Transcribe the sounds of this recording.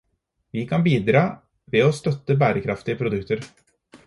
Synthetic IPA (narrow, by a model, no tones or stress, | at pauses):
ʋiːkʰɑnbiːd̪ɾɑː | ʋeoːst̪œt̪ːəbæːɾəkʰɾɑft̪ɪəpʰɾʊd̪ʉkt̪əɾ